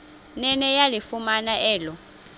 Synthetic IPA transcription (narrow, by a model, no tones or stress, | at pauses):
nɛnɛjalifumanaɛːlɔ